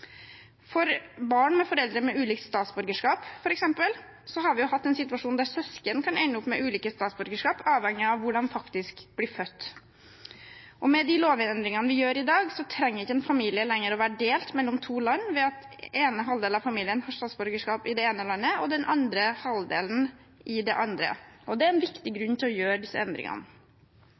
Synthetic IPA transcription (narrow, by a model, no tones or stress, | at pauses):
fɔɾbɑːɳmɛfɔɾɛld̪ɾəmɛʔʉːliːkt̪st̪ɑːt̪sbʉɾɡəʂkɑːpfɔɾɛksɛmpəl | sɔɦɑɾʋɪjʊhɑt̪ːɛnsɪt̪ʉʋɑʂuːnd̪æɾsɛskənkʰɑnæɪnəʊpːmɛʔʉːliːkəst̪ɑːt̪sbʉɾɡəʂkɑːpɑːʋɛŋːɪɑʋʋːʊɖɑnfɑkt̪ɪskbliːɾfœt̪ː | ʔɔmɛd̪ɪloːʋɪɛnd̪ɾɪŋɑnəʋɪjøːɾɪd̪ɑːɡsɔt̪ʰɾɛŋːəɾɪçːəɛnfɑmiːlɪəlɛŋːəɾɔʋæːɾəɖeːlt̪mɛlːɔmt̪ʰuːlɑnːʋɛɑt̪eːnəɦɑld̪eːlɑʋfɑmiːlɪənhɑːst̪ɑːt̪sbɔɾɡəʂkɑːpɪd̪ɛeːnəlɑnːəɔd̪ɛnʔɑnd̪ɾəhɑld̪ḛːln̩ | ʔɪd̪ɛʔɑnd̪ɾə̰ʔɔd̪ɛæɾɛnʋɪkt̪ɪɡɾʉnːt̪ʰɪlɔjøːɾd̪ɪsːəɛnd̪ɾɪ̰ŋɑ̰nə